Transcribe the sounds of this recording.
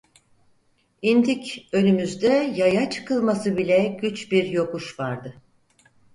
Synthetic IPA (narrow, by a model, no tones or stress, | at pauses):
ind̪icø̞nymyzd̪ɛjajat͡ʃʰɯ̥kʰɯlˠmasɯbilʲɛɟyt͡ʃbiɾjo̞kuʃvaɾd̪ɯ